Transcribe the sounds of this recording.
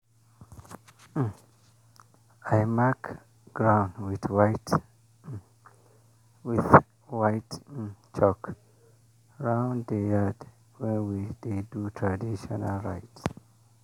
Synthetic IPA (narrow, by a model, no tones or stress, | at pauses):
ajmak | ɡ̥ɹãwnwiθwajt | wiθ | wajtt͡ʃɔk | ɹãwnddəjad | wɛ̃nwid̪edutʰɹadiʃɔnalɹa̰jt